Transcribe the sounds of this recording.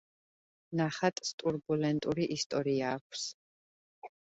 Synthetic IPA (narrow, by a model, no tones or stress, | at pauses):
naχat̪ʼst̪ʼuɾbulɛnt̪ʼuɾiʔist̪ʼɔɾiaːkʷʰs